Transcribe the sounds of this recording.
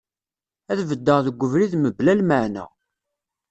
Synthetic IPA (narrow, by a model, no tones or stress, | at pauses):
æðvəd̪ːəʁðəɡʷːəvɾiðməblælməʕnæ̰